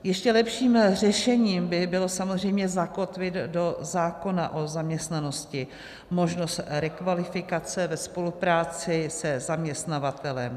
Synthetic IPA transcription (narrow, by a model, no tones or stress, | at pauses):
jɛʃcɛlɛpʃiːmr̝ɛʃɛɲiːmbɪbɪlo̞samozr̝ɛjmɲɛzako̞t̪vɪd̪do̞zaːko̞naʔo̞zamɲɛst̪nano̞scɪ | mo̞ʒno̞st̪ɾɛkvalɪfɪkat͡sɛvɛspo̞lupɾaːt͡sɪsɛzamɲɛst̪navat̪ɛlɛm